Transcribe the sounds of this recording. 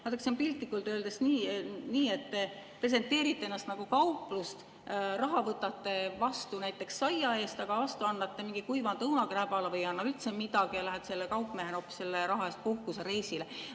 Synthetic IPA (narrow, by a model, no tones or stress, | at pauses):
hɑt̪eksempilt̪ːˑikːult̪øːld̪̥esniːniːe̞t̪ːepre̞s̬ent̪ːˑe̞ːɾit̪ːˑeenːɑst̪nɑɡ̥ukɑupːˑlust̪ | rɑɦɑvɤt̪ːˑɑt̪ːe̞vɑst̪unæjt̪ˑːe̞ksːɑjɑe̞ːst̪ɑɡ̥ɑvɑst̪uɑnːɑt̪ːe̞miŋɡikujvɑnt̪ɤwnɑkræːbɑlevɤjɑnːɑylt̪semid̪ɑɡijɑlæɦet̪se̞lːekɑwpːˑmeheno̞ːpːˑi̥sːe̞lːeɾɑɦɑe̞st̪̚puhkuseɾe̞jsile